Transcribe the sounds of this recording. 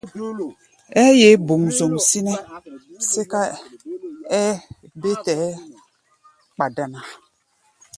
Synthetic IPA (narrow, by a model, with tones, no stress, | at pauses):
ɛ˦je˨˦bo˨ŋzo˨msi˦nɛ˦se˦ka˦ | ɛ˦be˦tɛ˨˦ | k͡pa˨da˨na˨